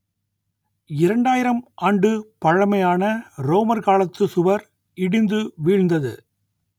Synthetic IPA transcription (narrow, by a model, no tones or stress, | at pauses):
ɪɾɐɳɖaːjɪɾɐmʔaːɳɖɯpɐɻɐmɐjaːnɐɾoːmɐɾkaːɭɐt̪ːɯsʊʋɐɾ | ɪɽɪnd̪ɯʋiːɻnd̪ɐðɯ̰